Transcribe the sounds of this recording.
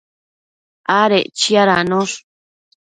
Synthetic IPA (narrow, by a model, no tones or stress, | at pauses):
aɾet͡ʃiaɾanõʂ